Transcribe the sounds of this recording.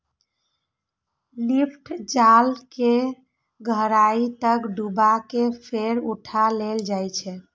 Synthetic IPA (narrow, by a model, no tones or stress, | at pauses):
lipʰʈʰd͡ʒalke | ɡʱəɾait̪əkɖʱubakepʰeɾuʈʰaleld͡ʒajt͡ʃʰɛ